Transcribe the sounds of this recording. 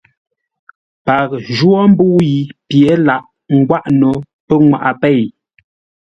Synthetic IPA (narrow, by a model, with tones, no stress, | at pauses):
pa˨k̚ʒwɔ˦m˦bu˦ji˨pje˨˦la˨ʔ | ŋ̩˦ɡwa˦ʔno˨ | pə˦ŋwa̰˨ʔa˨pɛ˦˨j